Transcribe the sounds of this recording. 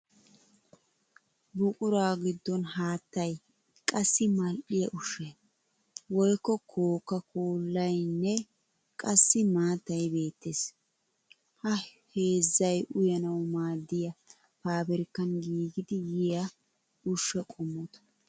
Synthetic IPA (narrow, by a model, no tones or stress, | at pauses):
bʊkʼʊɾaːɡɪd̪ːɔnɦaːt̪ːɐj | kʼɐsːɪmɐlʔɪjɐʔʊʃe | wɔjkːɔkʰoːkːɐkʰoːlːɐjnːɛ | kʼɐsːɪmaːt̪ːɐjbe̞ːt̪ːeːs | hɐ | he̞ːzːɐjʔʊjɐnɐwmaːd̪ːɪjɐ | paːbɛɾkːɐnɡiːɡɪd̪ɪjɪjɐ | ʊʃːɛkʼʊmːʊt̪ɐ̥